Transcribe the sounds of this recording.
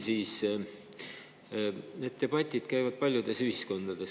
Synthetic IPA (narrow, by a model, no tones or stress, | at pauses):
siːs | ne̞ːd̪̥̚t̪e̞b̥ɑt̪ʲˑːid̪̥kæjvɑd̪̥̚pɑlʲjud̪̥e̞syhisko̞nd̪̥ɑd̪̥e̞s